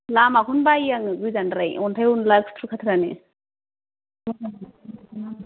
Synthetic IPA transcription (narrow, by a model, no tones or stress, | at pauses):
lamakʰunbaiaŋɯɡɯjzanɾajɔntʰajunlakstʰɾukʰatʰɾanḛ